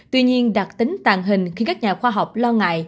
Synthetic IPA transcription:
t̪wi˧ɲi˧ənɗa˨˩t̚t̪ï˨˦ŋ̟t̪aː˨˩ŋɦï˨˩ŋ̟xi˧kaː˦˥k̚ɲaː˨˩xwaː˧ɦa˨˩wk͡p̚lɔ˧ŋa̰ː˧˨j

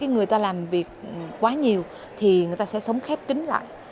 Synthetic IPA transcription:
kaː˨˦jŋɨ˨˩əjt̪aː˧laː˨˩mvi˨˩ək̚kwaː˨˦ɲi˨˩əw | t̪ʰi˨˩ŋɨ˨˩əjt̪aː˧sɛ̰˧˥sə˨˦wŋ͡mxɛ˦˥p̚kï˨˦ŋ̟la̰ː˧˨jʔ

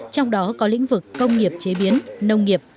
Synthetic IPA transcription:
t͡ɕɔ˧wŋ͡mɗɔ˨˦kɔ˨˦lḭ˧˥ŋ̟vɨ˨˩kːə˧wŋ͡mŋi˨˩əp̚t͡ɕe˨˦ɓi˨˦ənnə˧wŋ͡mŋi˨˩əp̚

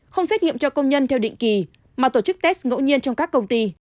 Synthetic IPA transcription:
xə˧wŋ͡msɛ˦˥t̚ŋḭ˧˨əmt͡ɕɔ˧kə˧wŋ͡mɲə˧nt̪ʰɛ˧wɗḭ˧˨ŋ̟ki˨˩ | maː˨˩t̪o˧˩t͡ɕɨ˦˥k̚t̪ɛ˦˥sŋo̰˧˥wɲi˧ənt͡ɕɔ˧ŋ͡mkaː˦˥kːə˧wŋ͡mt̪i˧

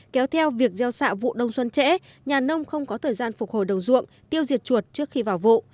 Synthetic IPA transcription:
kɛ˨˦wt̪ʰɛ˧wvi˨˩ək̚zɛ˧wsa̰ː˧˨vṵ˧˨ɗə˧wŋ͡mswə˧nt͡ɕɛ̰˧˥ | ɲaː˨˩nə˧wŋ͡mxə˧wŋ͡mkɔ˨˦t̪ʰəː˨˩jzaː˧nfʊ˨˩k͡p̚ho˧˩jɗə˨˩wŋ͡mzɨ̰˧˨əŋ | t̪i˧əwzi˨˩ət̚t͡ɕu˨˩ət̚t͡ɕɨ˦˥ək̚xi˧vaː˨˩wvṵ˧˨

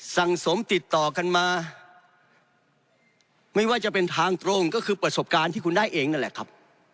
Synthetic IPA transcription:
sa˨˩ŋso˩˦mt̪i˨˩t̪ːɔː˨˩ka˧nmaː˧ | ma˥˩jwaː˥˩t͡ɕa˨˩pe˧nt̪ʰaː˧ŋt̪ɾo˧ŋkɔː˥˩kʰɯː˧pɾa˧so˨˩p̚kaː˧nt̪ʰiː˥˩ku˧ndaː˥˩jʔeː˧ŋna˥˩lɛ˨˩kʰa˦˥p̚

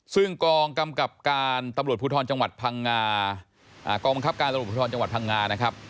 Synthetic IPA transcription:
sɯ˥˩ŋkɔː˧ŋka˧mka˨˩p̚kaː˧nt̪a˧mɾu˨˩t̚pʰu˧t̪ʰɔː˧nt͡ɕa˧ŋwa˨˩t̪̚pʰaː˧ŋːaː˧ | ʔa̰ː˨˩kɔː˧ŋba˧ŋkʰa˦˥p̚kaː˧na˧mu˨˩pʰːt̪ʰɔː˧nt͡ɕa˧ŋwa˨˩t̚pʰa˧ŋːaː˧na˦˥kʰɾa˦˥p̚

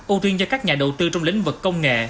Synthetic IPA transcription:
ʔu˧t̪i˧nt͡ɕɔ˧kaː˦˥k̚ɲaː˨˩ɗə˨˩wt̪ɨ˧t͡ɕɔ˧wŋ͡mlḭ̈˧˦ŋ̟vɨ˨˩kːə˧wŋ͡mŋḛ˧˨

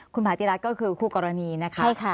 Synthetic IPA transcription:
kʰu˧npʰaː˨˦t̪iː˧ɾa˦˥t̪̚kɔː˥˩kʰɯː˧kʰuː˥˩kɔː˧ɾa˧niː˧na˦˥kʰa˦a˥˩kʰa˥˩

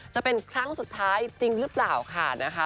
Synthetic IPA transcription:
t͡ɕa˨˩pe˧nkʰɾa˦˥ŋsu˨˩t̪ʰːaː˦˥jt͡ɕi˧ŋɾɯ˦˥plaː˨˩wkʰa˥˩na˦˥kʰa˦˥

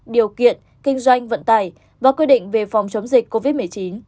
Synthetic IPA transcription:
ɗi˨˩əwkḭ˧˨ən | kï˧ŋ̟zwa˧jŋ̟və̰˧˨nt̪aː˧˩j | vaː˨˩kwi˧ɗḭ̈˧˨ŋ̟ve˨˩fɔ˨˩wŋ͡mt͡ɕə˨˦wŋ͡mzï˨˩kko˧vi˦˥t̚mɨ˨˩əjt͡ɕi˨˦n

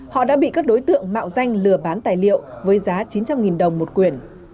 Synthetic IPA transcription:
hɔ̰˧˨ɗa̰ː˧˥ɓḭ˧˨kaː˦˥k̚ɗo˨˦jt̪ɨ̰˧˨əŋma̰ː˧˨wza˧jŋ̟lɨ˨˩əɓaː˨˦nt̪aː˨˩jlḭ˧˨əwvəː˨˦jzaː˨˦t͡ɕi˨˦nt͡ɕa˧mŋi˨˩nɗə˨˩wŋ͡mmo˨˩t̚kwi˨˩ən

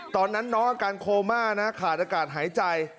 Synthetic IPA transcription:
t̪ɔː˧nːa˦˥nːɔː˦˥ŋʔaː˧kaː˧nkʰoː˧maː˥˩na˦˥kʰaː˨˩t̪̚ʔaː˧kaː˨˩t̪̚ɦaː˩˦jt͡ɕa˧j

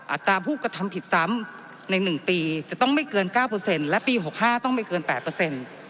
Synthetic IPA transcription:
ʔa˨˩t̪ɾaː˧pʰuː˥˩ka˧t̪ʰa˧mpʰi˨˩t̪̚sa˩˦˥m | na˧jnɯ˨˩ŋpiː˧t͡ɕa˨˩t̪ɔ˥˩ŋma˥˩jkɤː˧nkaː˥˩wpɤː˧se˧nlɛ˦˥piː˧ɦo˨˩k̚haː˥˩t̪ɔ˥˩ŋma˥˩jkɤː˧npɛː˨˩t̪̚pːɤː˧se˧n

